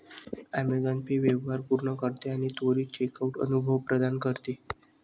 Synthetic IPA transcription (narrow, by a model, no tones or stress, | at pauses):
amed̪anpiʋeʋɦaɾpuɾɳəkəɾt̪eaɽ̃it̪oɾiːt͡ɕekauʈə̰nubʱəʋpɾəd̪ankəɾt̪e